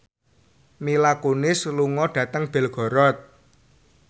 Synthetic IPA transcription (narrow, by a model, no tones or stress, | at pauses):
milakunɪsluŋɔɖ̥ä̤t̪əŋb̥ɛ̤lɡ̥ɔ̤ɾɔt̪̚